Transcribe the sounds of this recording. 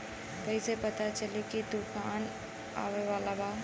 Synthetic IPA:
kəɪsepət̪at͡ʃəlikit̪ukʰan | a̰weʋalaba

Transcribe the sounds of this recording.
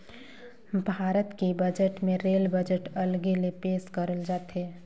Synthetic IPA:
bʱaːɾət̪kebəd͡ʒəʈmẽɾeːlbəd͡ʒəʈəlɡelepeːskəɾəld͡ʒaːt̪ɦeː

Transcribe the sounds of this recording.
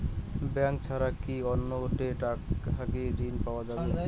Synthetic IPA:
bɛŋk̚t͡ɕʰaɾakiɔnːooʈeʈaɦakeɾinpaoad͡ʑabe

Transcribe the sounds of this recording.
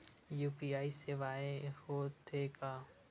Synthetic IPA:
juːpiaːiseʋaːehoːt̪ʰekaː

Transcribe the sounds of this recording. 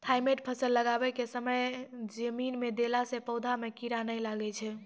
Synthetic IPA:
t̪ʰajmeʈ̚pʰəsəlːəɡabɛkesəməjd͡ʒəminmed̪elasepəwd̪ʱamekiɾanəjlaɡɛt͡ʃʰɛ

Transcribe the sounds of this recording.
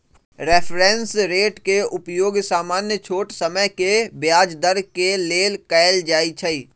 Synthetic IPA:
ɾɛpʰɾẽnsɾeːʈkeʊpjoːɡsaːmaːnjət͡ʃʰoːʈsəməkebjaːd͡ʒd̪əɾkeleːlkɛːɪld͡ʒaːit͡ʃʰəiː

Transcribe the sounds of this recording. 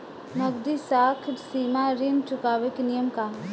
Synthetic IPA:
nɐɡd̪isaːkʰʈsiːmaɾint͡ʃʊkaːʋeknijəmka

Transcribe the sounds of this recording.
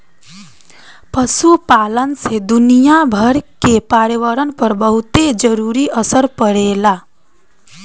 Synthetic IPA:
pəsupalənsed̪unijabʱəɾkepaɾjəʋəɾənpəɾbəɦut̪ed͡ʒəɾuɾiʔəsəɾpəɽela

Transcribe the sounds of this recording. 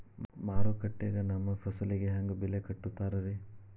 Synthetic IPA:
maːɾukɐʈːeːɡɐnɐmːɐpʰɐsɐliɡeɦaŋɡubilekɐʈːut̪ːaːɾɐɾi

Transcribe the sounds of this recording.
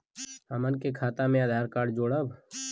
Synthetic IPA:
əmənkekʰaːt̪amẽaːd̪ʱaːɾkaːɽd͡ʒoːɽəb

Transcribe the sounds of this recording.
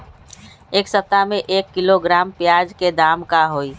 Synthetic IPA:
eːksət̪ːamẽʔeːkːɪloɡɾaːmpjaːd͡ʒked̪aːmkaɦoːi

